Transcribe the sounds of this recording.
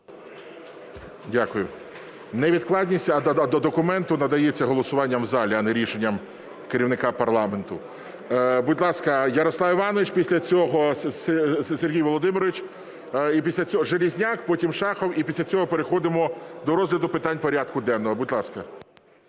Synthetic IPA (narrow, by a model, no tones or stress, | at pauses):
dʲakʊjʊ | nɛʋʲid̪klˠɑdʲnʲisʲtʲɐɐd̪ɔd̪ɔkʊmɛnt̪ʊnɐd̪ɐjet͡sʲːɐɦɔlˠɔsʊʋɑnʲːɐmzɑlʲiɐnɛɾʲiʃenʲːɐm | keɾʲiʋwnɪkɑpɐrlˠɑment̪ʊ | bud̚ʲlˠɑskɐjɐɾɔslˠɑwiʋɑnɔʋɪt͡ʃpʲisʲlʲɐt͡sʲɔɦɔ | sʲerɦʲijʋɔlˠɔd̪ɪmɪɾɔʋʲit͡ʃ | ipʲisʲlʲɐt͡sʲɔɔʒelʲizʲnʲakpɔtʲimʃɑxɔwipʲisʲlʲɐt͡sʲɔɦɔpeɾexɔd̪ɪmɔd̪ɔɾɔzɦlʲɐd̪ʊpɪt̪ɑnʲpɔɾʲɑd̪̚kʊd̪ɛnːɔɦɔbudʲlˠɑskɐ